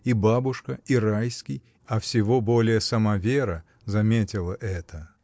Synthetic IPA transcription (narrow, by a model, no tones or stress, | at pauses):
ibabʊʂkəiɾajskʲɪj | ɐfsʲɪvo̞bolʲɪjəsɐmavʲeɾə | zɐmʲetʲɪlˠəʔɛt̪ʰə